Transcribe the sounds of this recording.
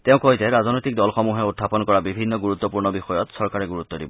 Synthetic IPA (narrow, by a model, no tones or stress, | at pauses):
teʊ̃kojzɛɹaznɔjt̪ik̚dɔlxɔmuɦɛut̪ʰːapɔnkɔɹabibʱinːɔɡuɹut̪ːɔpuɹnɔbixɔjɔt̪sɔɹkaɹɛɡuɹut̪ːɔdibɔ